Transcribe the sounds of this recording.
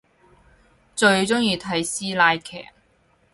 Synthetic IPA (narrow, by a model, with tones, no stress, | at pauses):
t͡ʃɵ˧ɥt͡sʊ˥ŋjiː˧t̪ʰɐ˨˥jsiː˥laː˧jkʰɛ̰ː˨˩k̚